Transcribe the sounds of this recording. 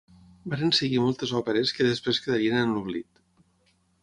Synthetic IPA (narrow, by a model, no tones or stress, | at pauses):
baɾensəɣimɔlˠt̪ezɔpeɾeskəðespɾeskeðaɾienənluβlit̪